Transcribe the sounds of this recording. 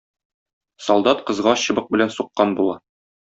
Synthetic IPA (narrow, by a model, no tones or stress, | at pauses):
sɒlˠd̪ɑt̪qɤ̆zʁɑɕɤ̆bɤq̚bɘ̆lænsuqːɑnbulˠɑ